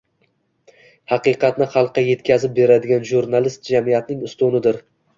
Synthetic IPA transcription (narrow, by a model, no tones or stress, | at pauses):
hɑqɨqɑt̪nɪχɑlˠqʰːɑje̞t̪kʲʰazɪp̚be̞ɾad̪ɪɡʲanʒuɾnalɪst̪̚d͡ʒamijat̪nɪŋʊst̪ʊnɪd̪ɪɾ